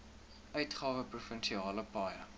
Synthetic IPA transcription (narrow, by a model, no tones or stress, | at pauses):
œɥtχɑːvəprufənʃiɑːləpɑːjə̰